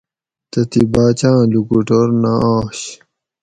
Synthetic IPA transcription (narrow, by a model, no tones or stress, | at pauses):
t̪ɐt̪ibaːt͡ɕãːlukuʈoɾnaʔaːɕ